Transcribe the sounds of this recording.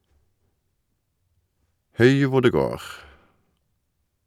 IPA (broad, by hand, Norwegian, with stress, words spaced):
ˈhʉɪ ˈʋʊ ˈɖeː ˈɡoːʁ